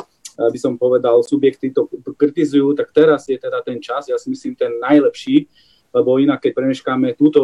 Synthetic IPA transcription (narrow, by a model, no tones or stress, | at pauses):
abisɔmpɔʋɛd̪alsubjɛkt̪it̪ɔkɾit̪izujuːt̪ak̚t̪ɛɾazjɛt̪ɛd̪at̪ɛnt͡ʃazjaːsimisliːmt̪ɛnːajlɛpʃiː | lɛbɔinakːɛc̚pɾɛmɛʃkamɛt̪uːt̪ɔ